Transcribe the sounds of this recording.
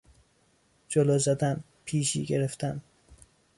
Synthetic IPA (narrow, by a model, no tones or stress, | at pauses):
d͡ʒolɒːzæd̪æn | pʰiːʃḭːɟeɾeft̪ʰæn